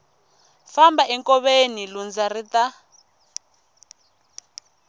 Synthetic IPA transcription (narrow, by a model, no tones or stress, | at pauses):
fambaʔɛŋkɔβenilund͡zarita